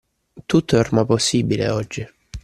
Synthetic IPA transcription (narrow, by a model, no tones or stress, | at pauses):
t̪ut̪ːoormaposːiːbilḛɔd͡ʒːi